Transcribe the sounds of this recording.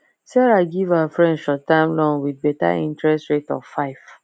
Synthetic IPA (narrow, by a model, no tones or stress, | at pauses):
sɛɹaɡivawafɹɛ̃ndʃɔtːãɪ̃mlɔ̃ŋwid̚bɛta̰ḭ̃ntɹɛstɹetɔ̰ffaɪf